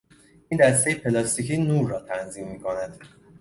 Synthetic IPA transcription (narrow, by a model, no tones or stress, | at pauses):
iːnd̪æst̪ejepʰelɒst̪iciːnuːɾːɒːt̪ʰænziːmːiːkʰo̞næd̪̥